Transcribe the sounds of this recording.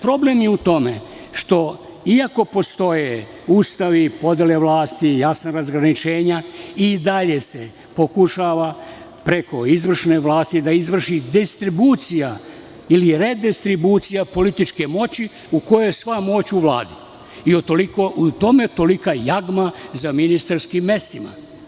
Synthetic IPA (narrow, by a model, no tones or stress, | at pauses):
pɾo̞ble̞mjeut̪o̞mḛ | ʃt̪o̞iako̞po̞st̪o̞je | ust̪aʋipo̞d̪jeleʋlˠaːst̪ijasnaɾazɡɾanit͡ʃe̞ːɲaid̪aʎe̞se | po̞kuʃaːʋa | pɾe̞ko̞izʋr̩ʃne̞ʋlaːst̪id̪aizʋr̩ʃid̪ist̪ɾibuːt̪sija | iliɾed̪ist̪ɾibut̪sijapo̞lit̪it͡ʃke̞mo̞t͡ɕi | uko̞jojesʋamo̞t͡ɕuʋla̰ːd̪i | iot̪olikoʔut̪o̞met̪o̞likajaɡmazaminist̪aɾskimːe̞st̪ima̰